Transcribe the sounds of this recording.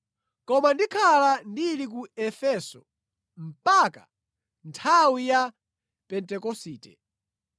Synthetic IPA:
kɔmandikʰalandilik̬uɛfɛsɔ | m̩paka | ntʰawija | pɛntɛkɔsiːtɛ̰

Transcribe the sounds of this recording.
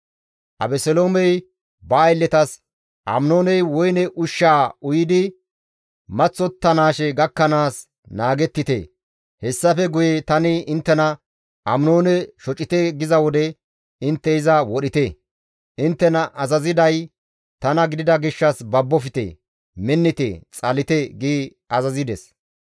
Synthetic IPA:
ʔɐ̰bɛsɛloːmɛj | bɐːjlːɛt̪ɐs | ʔɐ̰mno̞ːnɛjwɔjnɛʔʊʃːaːʊjɪd̪ɪ | mɐt͡sːɔt̪ːɐnaːʃɛɡɐkːɐnaːs | naːɡɛt̪ːɪt̪ḛː | hɛsːɐfɛɡʊjɛt̪ɐnɪɪnt̪ːɛnɐ | ʔɐmno̞ːnɛʃɔt͡ʃʼːɪt̪eɡɪzɐwɔd̪ɛ | ɪnt̪ːɛɪzɐwɔɗɪt̪eː | ʔɪnt̪ːɛnɐʔɐzɐzɪd̪ɐj | t̪ɐnɐɡɪd̪ɪd̪ɐɡɪʃːɐsbɐbːɔfɪt̪ḛː | mɛnːɪt̪ḛːt͡sʼɐlɪt̪eɡɪ | ɐzɐzɪd̪ɛs

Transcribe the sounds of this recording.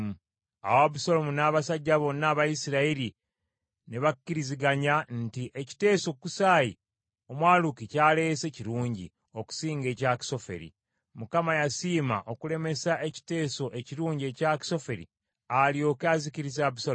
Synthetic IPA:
a̰waβusolomunaːβasaɟːaβo̞nːaːβajisiɾaiɾi | ne̞βakːiɾiziɡaɲantiʔeci̥te̞ːso̞kːusaːji | o̞mwaːlukicaːle̞ːse̞ciɾuːɲɟḭ | o̞ku̥siːŋɡe̞ːcaki̥so̞fe̞̰ɾḭ | mukamajasiːma̰ʔo̞kule̞me̞saʔe̞ci̥te̞ːso̞ʔe̞ciɾuːɲɟie̞ːcaki̥so̞fe̞ɾḭ | alio̞kaziciɾizaːβusa

